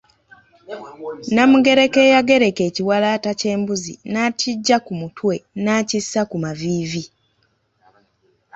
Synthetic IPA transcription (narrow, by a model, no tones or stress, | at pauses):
namuɡe̞ɾe̞ke̞ːjaɡe̞ɾe̞ke̞ːciwalaːtace̞ːmbuzḭnaːtiɟːakumutwe̞naːcisːakumaviːvi